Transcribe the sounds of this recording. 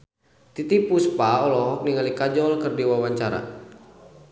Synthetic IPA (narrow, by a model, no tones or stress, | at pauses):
t̪it̪ipuspaɔlɔɦɔk̚niŋalikad͡ʒɔlkərdiwawaɲt͡ʃaɾa̰